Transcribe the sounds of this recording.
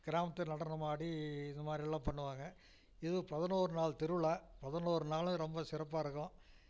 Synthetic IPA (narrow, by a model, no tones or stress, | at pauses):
ɡ̥ɪɾaːmɐt̪ːɐnɐɽɐnːɐmaːɽiɪnd̪ɐmaːd̪ɾɪɛɭːãːmpɐɳːɯʋaːŋɡɐ | ɪðɯpɐðɐnoːɾɯnaːɭt̪ɪɾɯɭaːpɐðɐnoːɾɯnaːlʊ̃ɾɔmbɐsɪɾɐpːaːɪɾɯkːʊ̃